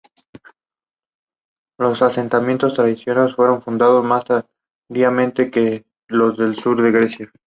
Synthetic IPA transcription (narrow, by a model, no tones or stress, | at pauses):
lo̞sase̞nt̪amje̞nt̪o̞st̪ɾaðisjo̞nalesfwe̞ɾo̞ɱfund̪að̞ozmas | d̪iamẽ̞nt̪e̞ke | lozðe̞lsuɾðe̞ɣɾesja